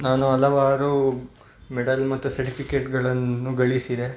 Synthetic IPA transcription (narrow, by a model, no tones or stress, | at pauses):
naːnuɐlɐʋaːɾu | meɖɐlmɐt̪ːusɐɾʈipʰikeːʈɡɐɭɐnːuɡɐɭisid̪e̞